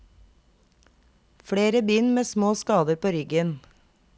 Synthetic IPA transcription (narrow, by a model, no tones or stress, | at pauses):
fɽeːɾəbyːnmeːsmoːskɑːd̪əɾpʰoːɾʏɡən